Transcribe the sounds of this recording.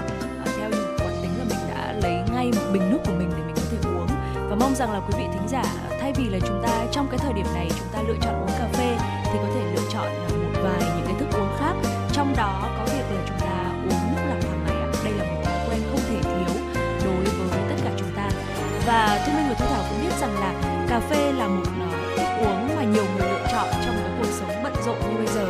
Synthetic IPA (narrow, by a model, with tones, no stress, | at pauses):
t̪ʰɛ˧wɲɨ̰˧˥kaː˨˩nt̪ï˨˦ŋ̟laː˨˩mï˨˩ŋ̟ɗa̰ː˧˥lə˨˦jŋa˧jmo˨˩t̚ɓï˨˩ŋ̟nu˦˥t̚ku˧˩əmï˨˩ŋ̟ɗe˨˩mï̟˨˩kɔ˨˦t̪ʰe˧˩ʔu˨˦ən | vaː˨˩ma˧wŋ͡mza˨˩ŋlaː˨˩kwi˨˦vḭ˧˨t̪ʰï˨˦ŋ̟zaː˧˩ | t̪ʰa˧jvi˨˩laː˨˩t͡ɕʊ˨˦ŋ͡mt̪aː˧t͡ɕɔ˧wŋ͡mkaː˨˦jt̪ʰəː˨˩jɗi˧˩əmna˨˩jt͡ɕʊ˨˦ŋ͡mt̪aː˧lɨ̰˧ət͡ɕɔ̰˧˨nʔo˨˦nkaː˧fe˧ | t̪ʰi˨˩kɔ˨˦t̪ʰe˧˩lɨ̰˧ət͡ɕɔ̰˧˨n˨˩mo˨˩t̚vaː˨˩jɲɨ̰˧˥ŋkaː˨˦t̪ɨ˦˥k̚ʔu˨˦ənxaː˦˥k̚ | t͡ɕɔ˧wŋ͡mɗɔ˨˦a˨˦kaː˨˦k̚vi˨˩ək̚laː˨˩t͡ɕʊ˨˦ŋ͡mt̪aː˧ʔu˨˦əŋmɨ˦˥t̚mə˨˩t̚t̪əː˨˩na̰˨˩˦ɗə˧jlaː˨˩mo˨˩t̚t̪ʰi˨˦ku˧˩ʔa˧jŋ̟xə˧wŋ͡mt̪ʰe˧˩t̪ʰi˨˦əw | ɗo˨˦jvəː˨˦jvəː˨˦jt̪ə˦˥t̚kaː˧˩t͡ɕʊ˨˦ŋ͡mt̪aː˧ | vaː˨˩t̪ʰi˧mi˧ŋlɨ˨˩t̪ʰːt̪ʰaː˧˩wkʊ̰˧˥ŋ͡mɓi˦˥t̚za˨˩ŋlaː˨˩ | kaː˧˩fe˧laː˨˩mo˨˩t̚nɔ˨˦t̪ʰɨ˦˥k̚ʔu˨˦əŋvaː˨˩ɲi˨˩əwmo˨˩t̚lɨ̰˧˨t͡ɕɔ̰˧˨nt͡ɕɔ˧wŋ͡mkaː˨˦jku˨˩ək̚sə˨˦wŋ͡mɓə̰˧˨nzo̰˧˨nzɓə˧jzəː˨˩